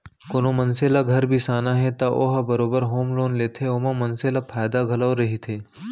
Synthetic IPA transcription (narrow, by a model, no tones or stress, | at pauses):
koːnõmɐnseːlaɡʱɐɾbʱisaːnaɦɛt̪aʔoːɦabɐɾoːbəɾɦoːmloːnleːt̪ʰeoːmãmɐnseːlapʰaːjd̪aɡʱɐlaːoɾɐɦit̪ʰeː